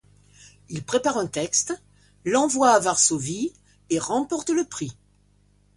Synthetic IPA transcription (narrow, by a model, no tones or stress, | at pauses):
ilpχepaʁɛ̃t̪ɛkst̪ | lɑ̃vwaːvaʁsovi | eʁɑ̃pɔʁt̪ləpχi